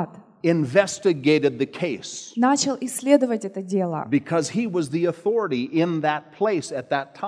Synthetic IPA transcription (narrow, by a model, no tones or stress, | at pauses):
t̪ | ɪ̃ɱvɛstɨɡeɪɾɨd̪̚ðɨkʰeɪsnat͡ɕɪlˠɪsʲlʲe̞d̪əvətʲɛt̪ədʲe̞lˠə̰b̥ɨkʰʌz̥iwʌzðiɨθɔɹəɾiʔɪ̃nðɨt̚pʰl̥eɪsɨt̪̚ðɨtʰã